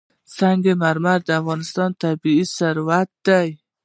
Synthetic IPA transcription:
saŋɡemaɾmaɾd̪ɪafɣɔnɪst̪ɔnt̪ʰabiisaɾwat̪̚d̪aj

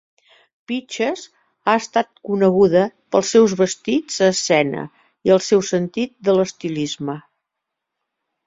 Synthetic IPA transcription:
pit͡ʃəz | aəst̪at̪̚kunəɣuðəpəlˠsːɛwzβəst̪id͡zəːsɛnə̰ | iəlˠsɛwsənt̪it̪̚d̪ələst̪ilizmə

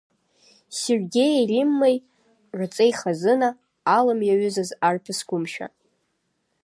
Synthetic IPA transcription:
serɡʲe̞jerʲimːaj | ʕʷat͡sʼejχazɨnaː | lɨmjaɥʏzazarpʰɨsɡʷʊmʃᶣa̰

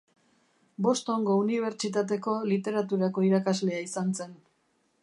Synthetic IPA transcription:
bo̞st̪o̞ŋɡo̞uniβ̞e̞ɾt͡ʃit̪at̪̬e̞ko̞lit̪e̞ɾat̪uɾako̞iɾakazle̞aisanse̞n

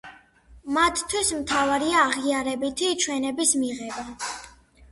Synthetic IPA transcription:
mat̪ʰt̪ʰwismt̪ʰavaɾiaːʁiaɾɛbit̪ʰit͡ʃʰwɛnɛbismiʁɛba

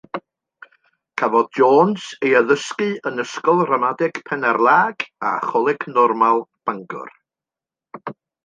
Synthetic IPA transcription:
kʰavɔd̚d͡ʒoːnsejaðəskɨənəskɔlˠramadɪɡ̥pʰɛnɛrlˠaːɡ̥a̰χɔlˠɪkʰnɔrmalˠb̥aŋɡʊ̰r

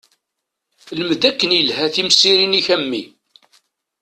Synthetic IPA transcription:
ləmd̪ækːənjəlhæθimsiɾiniçæmːi

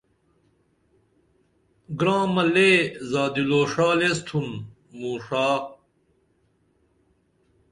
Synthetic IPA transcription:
ɡɾãːmɐleːzaːd̪iloːʂaːlest̪ʰun | muːʂaː

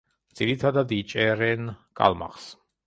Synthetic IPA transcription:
d̪z̥iɾit̪ʰad̪ad̪it͡ʃʼɛɾɛnkʼa̰lˠma̰χs

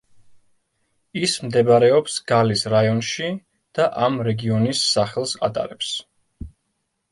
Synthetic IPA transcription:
ismd̪ɛbaɾɛɔpsɡalisɾajɔnʃi | d̪̥aʔamɾɛɡiɔnisːaχɛlˠsa̰t̪ʼa̰ɾɛps

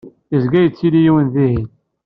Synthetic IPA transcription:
izɡæjət͡sːilijiwənðihin

